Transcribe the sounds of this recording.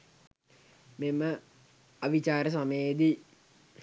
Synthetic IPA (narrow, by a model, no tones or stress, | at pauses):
memə | ɐʋit͡ɕaːɾəs̬amed̪i